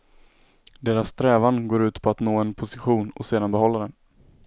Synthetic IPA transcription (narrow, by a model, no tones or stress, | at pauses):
d̪eːɾasːt̪ʰɾɛːvanɡoːɾʉ̟ːt̪pʰɔat̪noːɛnpʰʊsɪɧuːnɔ̰seːd̪anbɛɦɔlːad̪ɛn